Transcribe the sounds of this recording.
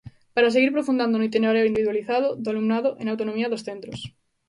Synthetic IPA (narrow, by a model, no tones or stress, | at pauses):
paɾaseɣiɾpɾofund̪and̪onoit̪̬ineɾeoind̪iβiðwaliθaðoðoalumnaðoʔenawt̪onõmiaðosθent̪ɾos